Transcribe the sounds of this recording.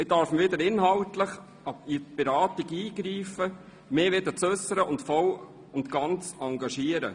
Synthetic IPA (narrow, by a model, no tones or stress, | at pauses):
ɪdɑɾfməʋɪd̪əɾɪnɦɑwtləχ | ɑbib̥ɛɾɑːt̪iɡiːɡɾiːfə | meːʋɪd̪ət͡sɵsːəɾəʊntfɔl | ʊnt̪ɡ̥ɑnt͡sɑŋɡɑʃiːəɾə̰